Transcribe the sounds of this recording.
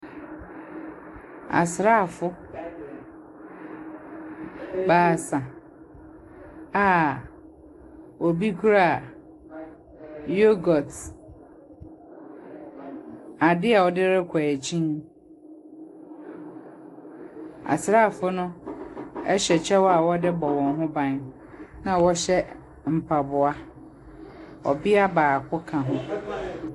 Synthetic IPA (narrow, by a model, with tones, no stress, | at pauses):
a̰˨sɾa˦˨fʊ˦ | baː˨sã˨ | a˦˨ | o˨bi˦kʰu˦ɾa˦˨ | jo˦ɡɔ˨t | a˨dɪ˦a˨wɔ˨dɪ˦ɾɪ˦kʰa˨e˨t͡ɕʰĩ˦n | a̰˨sɾa˦˨fʊ˦nʊ̃˦ | ɛ˦ɕɛ˨t͡ɕʰɛ˦wɔ˦a˨wɔ˦dɪ˦bɔ˨wɔ̃˨nɦʊ̃˦bã˦n | nã˨wɔ˦ɕɛ˦ | m̩˨pʰa˨bʊ˨a˦ | ɔ̰˨bɪ˦a˦baː˨kʰʊ˦kʰã˨ɦʊ̃˦